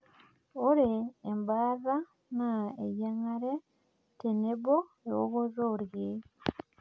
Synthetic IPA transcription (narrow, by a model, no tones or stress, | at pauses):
oɾeːmbaːra | naejaŋaɾe | teneβo | ewo̰ɡozoɾje